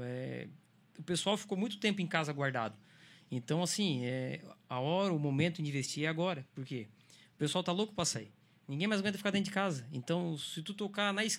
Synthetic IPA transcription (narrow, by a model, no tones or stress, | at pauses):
ɛ̰ | ʊpesuawfi̥komũj̃t̪ʊ̥t̪ẽmp̬ʊẽkazɐɡwaɾd̪a̰d̪ʊẽnt̪ɐ̃w̃asĩɛaɔɾɐʊmomẽnt̪ʊĩd͡ʒivest͡ʃiɛaɡɔɾɐpoɾkeʊpesuawt̪alokʊ̥pɾɐsai | nĩɡẽj̃majzɡwẽt̪ɐfikaɾd̪ẽt̪ʊd͡ʒɪkazɐẽt̪ɐ̃w̃sɪt̪ut̪okanɐis